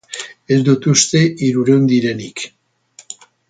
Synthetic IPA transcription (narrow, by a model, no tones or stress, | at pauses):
eld̪ut̪ust̪eiɾuɾewnd̪iɾenik